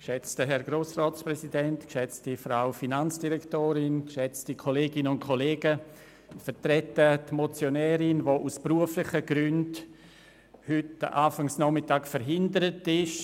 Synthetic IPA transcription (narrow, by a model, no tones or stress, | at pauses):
kʃɛt͡stəɦɛɾɡɾoːsrɔːtsprɛsidɛntkʃɛt͡stifɾaʊfinant͡sd̥iɾɛktoːɾɪnkʃɛt͡stikʰoleːɡɪnʊntkʰoleːɡə | fətɾɛtətmot͡sjonɛːɾɪnvoːʔuspruəflɪχəɡ̥ɾʏnd | hʏtʔaːfaŋsnɔmɪtaːkfəɾɦɪndəɾətɪʃ